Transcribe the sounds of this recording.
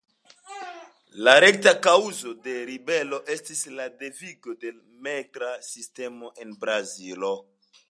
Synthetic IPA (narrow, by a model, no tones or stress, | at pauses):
laɾe̞k̚takawuzo̞de̞ɾibe̞lo̞ʔe̞stislade̞viɡo̞de̞ | mekɾasiste̞mo̞ʔe̞nbɾazilo̞